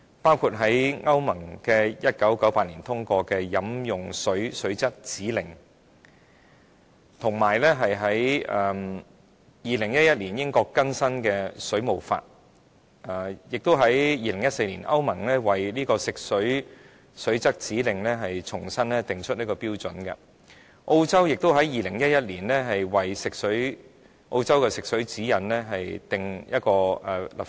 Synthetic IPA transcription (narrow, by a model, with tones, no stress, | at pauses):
paː˥wkʰu˧t̚ɦɐ˨˥jŋɐ˥wmɐ˨˩ŋkɛː˧jɐ˥t̚kɐ˨˥wkɐ˨˥wpaː˧t̚liː˨˩nt̪ʰʊ˥ŋkɔː˧kɛː˧jɐ˨˧˥mjʊ˨ŋsɵ˨˥ɥsɵ˨˥ɥt͡sɐ˥k̚t͡siː˨˥lɪ˨˩ŋ | t̪ʰʊ˨˩ŋmaː˨˩jlɛː˥ɦɐ˨jɦɐ˨˥jɐː˨m | jiː˨˧lɪ˨˩ŋjɐ˥t̚jɐ˥t̚liː˨˩njɪ˥ŋkɔː˧kːɐ˥nsɐ˥nkɛː˧sɵ˨˥ɥmo˨˩wfa̰ː˧t̚ | ɐː˨˩jɪ˨k̚t̪o˥wɦɐ˨˥jjiː˧lɪ˨˩ŋjɐ˥t̚se˧jliː˨˩nʔɐ˥wmɐ˨˩ŋlɛ˥wɐ˨jliː˥kɔː˧sɪ˨k̚sɵ˨˥ɥ | sɵ˨˥ɥt͡sɐ˥k̚t͡siː˨˥lɪ˨ŋlɛ˥ɦɐ˨jt͡sʰʊ˨˩ŋsɐ˥nlɛ˥t̪ɪ˨ŋt͡ʃʰɵ˥t̚niː˥kɔː˧piː˥wt͡sɵ˨˥nkɐ̰˧ | ʔo˧wt͡sɐ˥wjɪ˨k̚t̪o˥wɦɐ˨˥jjiː˨lɪ˨˩ŋjɐ˥t̚jɐ˥t̚liː˨˩nlɛː˥ɦɐ˨jwɐ˨jsɪ˨k̚sɵ˨˥ɥ | ʔo̰˧wt͡sɐ˥wkɛ˧sɪ˨k̚sɵ˨˥ɥt͡siː˨˥jɐ˨nlɛː˥ɦɐ˨jt̪ɪ˨ŋjɐ˥t̚kɔː˧ɛ˨˩lɐ˨˩